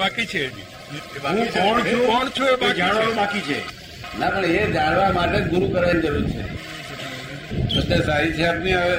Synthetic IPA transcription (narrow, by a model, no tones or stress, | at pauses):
akit͡ʃʰe | ɦũkɔɳt͡ʃʰũkɔɳt͡ʃʰuebad͡ʒaɽabakit͡ʃʰḛ | napəɳed͡ʒaɽʋamaʈeɡuɾukəɾanid͡ʒəɾuɾit͡ʃʰḛ | bət̪ːasaɾit͡ʃʰeapniae